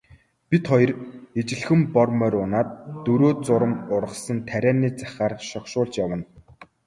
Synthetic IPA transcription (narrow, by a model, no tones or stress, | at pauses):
pʲit̪χɔj̆ret͡ɕɪ̆ɮxɘ̆mpɔrmœɾʊnaːt̪ːɵɾoːt͡sʊɾə̆mʊɾə̆sə̆nt̪ʰæɾʲæːniːt͡sæ̥χaːrʃɔkʃʊːɮt͡ɕjawə̆n